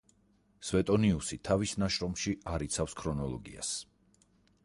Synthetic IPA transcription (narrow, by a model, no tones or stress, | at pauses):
svɛt̪ʼɔniusit̪ʰavisnaʃɾɔmʃiaɾit̪sʰafskʰɾɔnɔlˠɔ̰ɡḭa̰s